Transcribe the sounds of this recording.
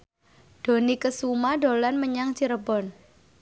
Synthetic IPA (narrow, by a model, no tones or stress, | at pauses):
ɖ̥o̤nikəsumaɖolanməɲaŋt͡ʃiɾəbɔn